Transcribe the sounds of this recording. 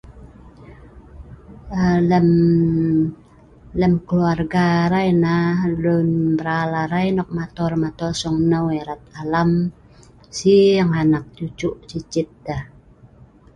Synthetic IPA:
ələm | ləmkəluarɡaɾainahlʊnbəɾalaɾajnɔk̚mat̪ɔrmat̪ɔrsɔŋnəweɾat̪̚alam | siəŋanak̚t͡ʃut͡ʃʊʔt͡ʃit͡ʃɪt̪̚dah

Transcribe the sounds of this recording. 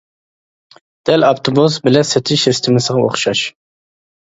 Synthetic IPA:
d̪̥ɛlɑpt̪ʰobusbɪlɛsɛt̪ʰɪʃɪst̪ʰɪmɪsɪʁɑoχʃɑʃ

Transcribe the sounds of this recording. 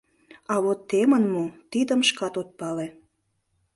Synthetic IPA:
ɑβot̪ːemənmut̪id̪əmʃkɑt̪ot̪̚pɑle

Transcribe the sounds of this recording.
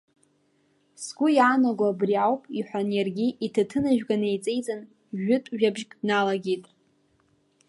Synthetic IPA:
sɡʷʊjaːnaɡʷabriawpʼiħʷanjarɡʲiʔitʰatʰɨnaʒᶣɡanejt͡sʼe̞jt͡sʼan | ʒʊtʼʒᶣabʒkʼnalaɡʲitʼ

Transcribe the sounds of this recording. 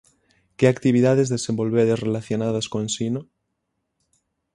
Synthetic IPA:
keakt̪iβ̞iðað̞ezðesembo̞lβeɾðezrelaθjonað̞askonsino

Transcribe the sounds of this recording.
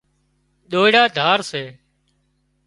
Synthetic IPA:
ɗ̪oːɪɽaːd̪ʱaːɾseː

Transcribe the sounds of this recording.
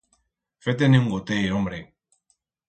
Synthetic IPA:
fet̪̬eneŋɡot̪ejombɾe

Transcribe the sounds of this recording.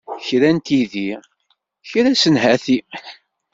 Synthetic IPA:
çɾænt̪iði | çɾæsənɦæθi

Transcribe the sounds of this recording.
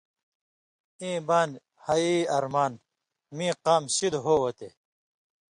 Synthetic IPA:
ĩːbaːn | hɐiɐɾmaːn | mĩːqaːmɕid̪ɦoːwɐt̪e

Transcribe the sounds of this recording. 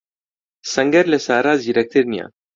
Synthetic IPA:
saŋɡeɾlesaɾaziɾek̚t̪eɾnia̰

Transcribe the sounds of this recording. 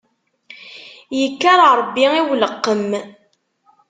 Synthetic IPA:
jəkːaɾˤɾˤbːiiwləqːəm

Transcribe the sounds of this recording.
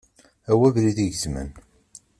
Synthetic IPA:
æwævɾiðiʝəzmə̰n

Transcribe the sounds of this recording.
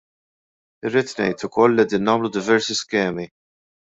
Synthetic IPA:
rːiːt̪nɛ̰jt̪ʊkɔlːiʔɛd̪iːnːɐːmlud̪ɪvɛɾsiskɛːmi

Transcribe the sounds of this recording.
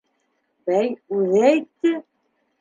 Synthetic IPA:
bæjʉðæjt̪ːɘ

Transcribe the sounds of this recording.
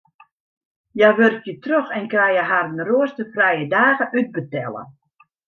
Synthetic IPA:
jaʋøɾɪkjətrøxɛnkrɛjjəɦarənroəstəfrɛjədaːɣəʔyd̚bətɛlˠə̰

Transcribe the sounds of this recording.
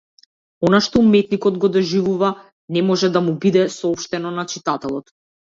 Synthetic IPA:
ɔnaʃt̪ɔumɛt̪nikɔd̪ɡɔd̪ɔʒivuva | nɛmɔʒɛd̪amubid̪ɛsɔɔpʃt̪ɛnɔnat͡ʃit̪at̪ɛlˠɔt̪

